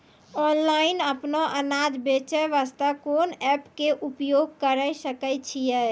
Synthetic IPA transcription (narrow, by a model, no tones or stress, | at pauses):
ɔnlainəpnoʔənad͡ʒbet͡ʃɛʋast̪akonɛpkeʔupjoɡ̚kəɾəjsəkət͡ʃʰijɛ